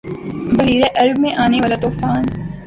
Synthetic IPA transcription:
bɐɦiːɾeʔɐɾbmẽʔaːneʋaːlat̪oːfaːn

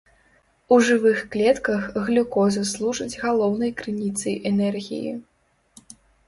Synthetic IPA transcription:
uʐɨvɨxklʲɛt̪kɐxɣlʲukɔzɐslˠuʐɐd͡zʲɣalˠɔwnɐjkɾɨnʲit̪sɐjʔɛnɛrɣʲḭjḭ

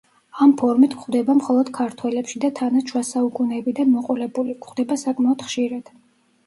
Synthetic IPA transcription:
ampʰɔɾmit̪ʰkχd̪ɛbamχɔlˠɔd̪̥kʰaɾt̪ʰwɛlɛpʃid̪at̪ʰanaʃʰwasaukʼunɛːbid̪anmɔqʼɔɾɛbulikʰχd̪ɛbasakʼmaɔd̪̥χʃiɾad̪̥

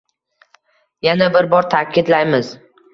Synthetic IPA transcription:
janabɪɾbɒɾt̪ʰakʲʰɪd̪lajmɪz

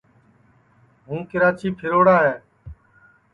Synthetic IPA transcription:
ɦũːkɪɾaːt͡ʃiːpʰɪɾoːɽaːɦɛː

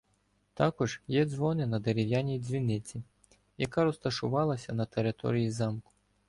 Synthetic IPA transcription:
t̪akuʐjɛd̪zvɔnɨnɐd̪ɛɾɛvʲjanʲizʲvʲinɛt͡sʲi | jakaɾust̪ɐʂuvalˠɐsʲɐnɐt̪ɛɾɨt̪ɔ̰ɾɨjizamku̥

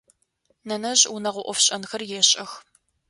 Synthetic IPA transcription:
nɐnɐʑʼunɐʁʷɔʔʷɔfɕʼɐnxɐrjɛɕʼɐx

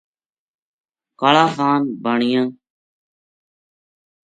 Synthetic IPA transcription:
kaɭaːkaːnbaːɳɪjãː

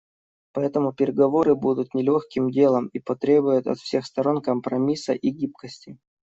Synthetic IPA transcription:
pɐɛt̪əmʊpʲɪɾʲɪɡɐvo̞ɾɨbud̪ʊt̪nʲɪlʲoxkʲɪmdʲe̞lˠəmipɐt̪ɾʲe̞bʊjʊt̪ɐ̰t̪fsʲe̞xst̪ɐɾo̞nkəmpɾɐmʲisəʔiɡʲip̚kəsʲtʲɪ

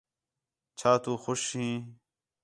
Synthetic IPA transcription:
t͡ʃʰaːt̪uːxʊʃɦĩː

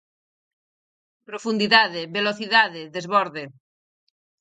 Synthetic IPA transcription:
pɾofund̪iðaðɪβeloθiðaðɪðezβɔɾðe

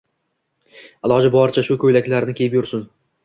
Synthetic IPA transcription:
alˠɒd͡ʒɪbɒɾt͡ʃʰaʃʊkʲʰɵjlakʲlaɾnɪkʲʰe̞jɪpjʊɾsʊn

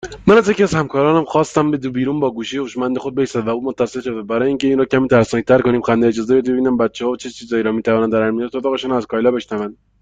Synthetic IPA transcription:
mænæzjecʲiæzhæmkɒːɾɒːnæmxɒːst̪æmbed̪ubiːɾuːnbɒːɡuːʃejeuʃmænd̪exod̪̚beisæd̪væuːmot̪ːæselʃod̪ebæɾɒːjeiːŋce̞iːnɾɔːcæmiːt̪ʰæɾsnæk̚t̪æɾko̞niːmxænd̪eed͡ʒɒːzebed̪be̞biːnænbæt̪t͡ʃʰːeɒːvot͡ʃʰet͡ʃʰiːzɒːiːɾɒːmiːt̪ʰævɒːnænd̪æɾæɾminɑːsot̪ɒːɣe̞ʃuːnæzkʰɒjlɒːbe̞ʃnævænd̪

